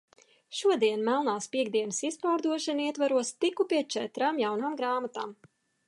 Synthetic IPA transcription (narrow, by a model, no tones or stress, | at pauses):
ʃuɔd̪iɛnmɛlˠnaːspiɛɡd̪iɛnɨsispaːɾd̪uɔʃaniɛt̪vaɾuɔst̪ikupiɛt͡ʃɛt̪ɾaːmjawnaːmɡɾaːmat̪aːm